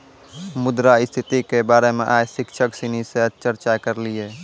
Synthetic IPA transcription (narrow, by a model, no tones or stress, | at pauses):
mʊd̪ɾaɪst̪ʰɪt̪ikebaːɾemẽʔaːjsɪkt͡ʃʰəksiniseət͡ʃəɾt͡ʃakəɾlieː